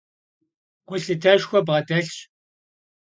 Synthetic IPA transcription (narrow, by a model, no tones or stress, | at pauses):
ɡʷʊɬɨtʰɐʃxʷɔbʁɐdɐɬɕ